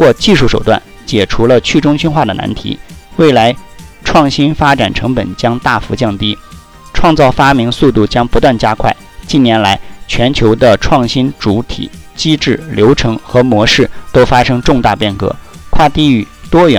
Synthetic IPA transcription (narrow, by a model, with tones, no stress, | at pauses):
kwɔ˥˧t͡ɕi˥˧ʂu˥˩ʂo˨˩ʊt̪wa̰˥˩n | t͡ɕjɛ˨˩ʈ͡ʂʰu˧˥lə˧t͡ɕʰy˥˩ʈ͡ʂʊ˥ŋt͡ɕʰy˥nxwa˥˩d̪ə˩na̰˧˥nt̪ʰḭ˧˥we˥˩ɪla˧˥ɪʈ͡ʂʰwɑ˥˩ŋɕi˥nfa˥ʈ͡ʂa˨˩nʈ͡ʂʰɤ˧˥ŋpə̰˨˩nt͡ɕjɑ˥ŋt̪a˥˩fu˧˥t͡ɕjɑ˥˩ŋt̪i˥ | ʈ͡ʂʰwɑ˥˧ŋt͡sɑ˥˩ʊfa˥mi˧˥ŋsu˥˧t̪u˥˩t͡ɕjɑ˥ŋpu˧˥t̪wa˥˩nt͡ɕja˥kʰwa˥˩ɪt͡ɕi˥˩njɛ˧˥nla˧˥ɪt͡ɕʰɥɛ˧˥nt͡ɕʰjo˧˥ʊd̪ə˧ʈ͡ʂʰwɑ˥˩ŋɕi˥nʈ͡ʂu˧˥t̪ʰḭ˨˩˦t͡ɕi˥ʈ͡ʂɻ̩˥˩ljo˧˥ʊʈ͡ʂʰɤ˧˥ŋxɤ˧˥mwɔ˧˥ʂɻ̩˥˩t̪o˥ʊfa˥ʂɤ˥ŋʈ͡ʂʊ˥˧ŋt̪a˥˧pjɛ˥˩nkɤ̰˧˥kʰwa˥˧t̪i˥˧y˨˩t̪wɔ˥jɑ˨˩